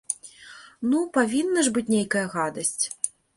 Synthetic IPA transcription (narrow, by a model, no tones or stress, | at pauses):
nupavʲinːɐʐbɨt͡sʲnʲejkɐjɐɣad̪ɐsʲt͡sʲ